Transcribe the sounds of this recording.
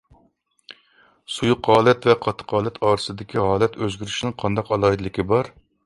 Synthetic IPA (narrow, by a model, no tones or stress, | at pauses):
sujuqɑːlˠɛt̪vɛqʰɑt̪ʰːə̥qʰɑːlˠɛt̪ʰɑːɾɨsɨd̪ɪkʲʰiɦɑːlˠɛt̪ʰøzɡʲyɾyʃnɪŋqʰɑnd̪ɑqɑlˠɑɦɨd̪lɪkʲibɑɾ